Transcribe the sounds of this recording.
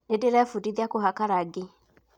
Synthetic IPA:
nedeɾɛfudiðjakoɦakaɾaɡe

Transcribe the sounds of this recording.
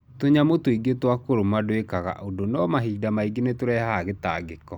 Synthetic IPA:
toɲamotoiɡetwakoɾomadwekaɣa̰ʔodonɔmaɦiːdamaiɡenetoɾɛhaɣeta̰ːɡekɔ

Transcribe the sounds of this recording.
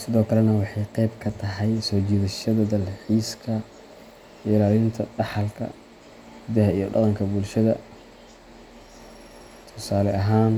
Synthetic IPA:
sɪðɔːkʰɐlɛnɐwɑħɑjqɛjbkʰɐt̪ʰɐɦɛjsɔːt͡ʃiːðɐʃɐðɐd̪ɐlħiːskʰɐ | ʔɪlaːlɪnt̪ʰɐɖɑħɑlkʰɐ̰ | ɪðɐɦɐijɞɖɑ̰qɑŋkʰɐbʊlʃɐðɐ̰ | t̪ʰʊsaːlɛʔɐɦaːn

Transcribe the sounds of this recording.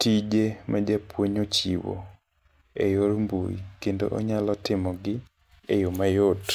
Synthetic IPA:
tid͡ʒemʔad͡ʒapwoɲot͡ʃiwo̰ | ejoɾmbṵjḭkendo̰ʔo̰ɲalɔtɪmɔɡɪ | ḛjomajot

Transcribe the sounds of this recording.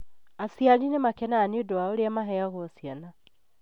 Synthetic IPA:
asjalinemakɛnaːniodoaoɾeamaɦɛjaɣɔsjana

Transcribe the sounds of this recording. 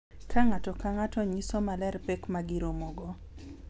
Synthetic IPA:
kʰaŋatɔkaŋatɔɲisɔmalɛrpɛkmaɡiɾomoɡɔ

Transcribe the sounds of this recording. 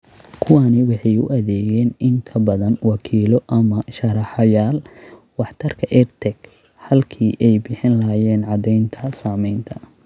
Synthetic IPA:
kʰʊwanɪwɑħɑjʊ̰ʔɐðɛːɣɛːnɪŋkʰɐbɐðɐnwɑkʰiːlɔʔɐmɐʃɐɾɑħɑjaːl | wɑħt̪ʰɐrkʰɐʔɛrt̪ʰɛɡ | hɐlkʰiːʔɛjbɪħɪnlɐɦjɛːnʕɑd̪ɛjnt̪ʰɐsaːmɛjnt̪ʰɐ

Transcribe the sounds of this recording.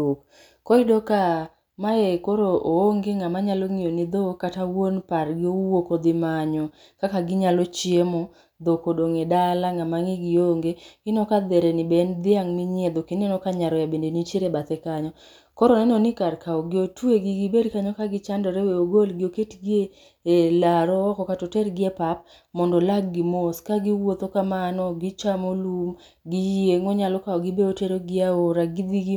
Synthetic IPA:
ok | kɔɪdɔka | maekoɾoʔooŋɡeŋamaɲaloŋijonid̪okatawonparɡɪowokod̪ɪmaɲɔ | kakaɡɪɲalot͡ʃiemɔ | d̪okodoŋedalaŋamaŋɪɡɪoŋɡeɪnɔkad̪ɛɾɛnɪbɛnd̪ɪaŋmiɲed̪okenɛnɔkaɲaɾɔjabendenit͡ʃeɾebat̪ɛkaɲɔ | kɔɾɔnɛnɔnɪkaɾkaɔɡɪotueɡiɡibedkaɲɔkaɡɪt͡ʃandɔɾeweoɡolɡɪoketɡje | elaɾɔɔkɔkatɔtɛrɡɪepap̚ | mɔndɔlaɡ̚ːimoskaɡiwot̪okamanɔɡit͡ʃamolum | ɡijeŋɔɲalɔkaɔɡibeoteɾoɡɪaoɾaɡid̪iɡi

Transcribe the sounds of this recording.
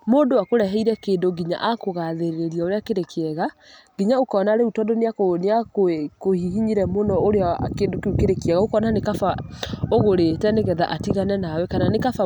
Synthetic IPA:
moːndowakoɾɛɦɛiɾɛkeːndoɡiɲa̰ʔakoɣaðeɾeɾiaoɾeakeɾekeɛɣa | ɡ̥iɲaokɔnaɾeutɔdoneakneakkohiɦiɲiɾɛmonɔoɾeakeːndokeukeɾekeɛɣaokɔnanekafaoɣoɾeːtɛneɣɛða̰ʔatiɣanɛnawɛkananekafa

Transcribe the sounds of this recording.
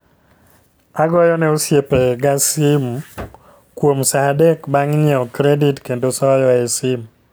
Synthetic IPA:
aɡɔjɔnɛosjepeɡasim | kwomsadekbaŋɲɛɔkɾeditkendosɔjɔɛsim

